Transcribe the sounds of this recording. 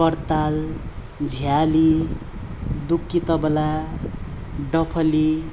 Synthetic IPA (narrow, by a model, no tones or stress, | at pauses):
kʌɾt̪al | d͡zʱjali | d̪ukːit̪ʌbla | ɖʌpʰʌli